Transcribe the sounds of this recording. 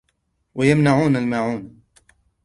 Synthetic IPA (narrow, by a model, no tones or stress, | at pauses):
wajamnaʕuːnalmaʕuːn